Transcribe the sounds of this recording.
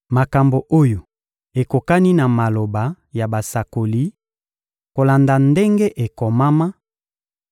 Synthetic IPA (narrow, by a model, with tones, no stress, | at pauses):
ma˨ka˨mbo˨ʔo˦jo˨ | e˨ko˨ka˦ni˦na˨ma˨lo˨ba˨ | ja˨ba˨sa˨ko˨li˦ | ko˨la˨nda˨nde˦ŋɡe˦ʔe˨ko˨ma˦ma˦